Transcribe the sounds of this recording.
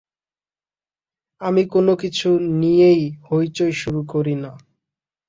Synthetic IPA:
amikonokit͡ɕʰunijejhojt͡ɕojʃuɾukoɾina

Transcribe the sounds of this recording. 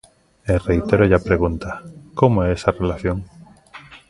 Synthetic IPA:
elrejt̪eɾoʝapɾeɣ̞unt̪akomoeesarelaθjoŋ

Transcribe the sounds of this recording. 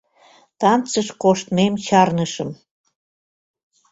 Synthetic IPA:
t̪ɑnt͡səʃkoʃt̪memɕɑrnəʃəm

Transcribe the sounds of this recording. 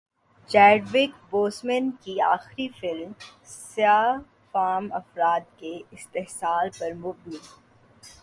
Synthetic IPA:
t͡ʃɛːɖʋɪkboːsmɛnkia̰ːxɾifɪlmsɪjaː | faːmɐfɾaːt̪̚keɪst̪eɦsaːlpɐɾmʊbɪn

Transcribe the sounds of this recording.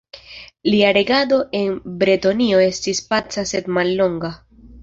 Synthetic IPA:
liaɾe̞ɡado̞ʔe̞nbɾetonio̞e̞stispat͡sase̞dmalːo̞ŋɡa

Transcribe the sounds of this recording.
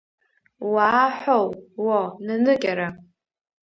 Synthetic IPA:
waːħʷᶣowwananɨkʲʼaɾa

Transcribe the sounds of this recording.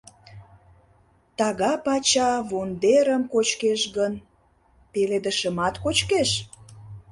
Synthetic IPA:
t̪ɑɣɑpɑt͡ɕɑβond̪eɾəmkot͡ɕkeʃɣən | peled̪əʃəmɑt̪kot͡ɕkeʃ

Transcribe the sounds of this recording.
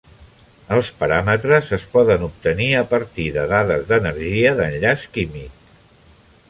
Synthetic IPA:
əlˠspəɾamət̪ɾəzəspɔðənup̚t̪əniəpəɾt̪iðəðaðəzðənəɾʒiəðənʎaskimik̚

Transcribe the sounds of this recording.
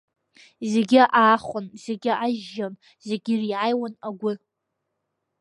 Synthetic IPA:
zeɡʲɪʔaːχʷʊnzeɡʲɪʔaʒːan | zeɡʲɪriʕajwanaɡʷʊ

